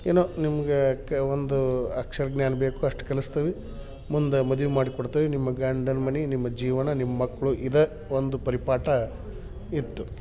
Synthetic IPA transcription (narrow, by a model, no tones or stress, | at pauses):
eːnoːnimɐɡekond̪uɐkʂɐɾɡnjaːnbe̞ːkuɐʂʈu̥kɐlist̪ɐʋi | mund̪ɐmɐd̪uʋimaːɽikoɽt̪ɐʋinimːɐɡaːɳɖɐnmɐninimːɐd͡ʒiːʋɐnɐnimɐːɐkːɐɭuʔid̪ɐ | ond̪upɐɾipaːʈɐ | it̪ːu